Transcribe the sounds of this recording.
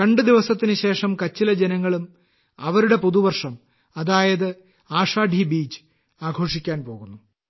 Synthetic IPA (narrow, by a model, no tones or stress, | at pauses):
kɐɳɖɨd̪iʋɐsɐt̪ːinɨɕe̞ːʂɐmkɐt͡ɕːilɐd͡ʑenɐŋːɐɭum | ɐʋɐɾuɽe̞puðuʋɐrʂɐm | ɐðaːjɐðɨ | aːʂaːɖ̪ʱibiːt͡ɕːɨ̥ | aːɡʱo̞ːʂikʲːaːnpo̞ːɣunːu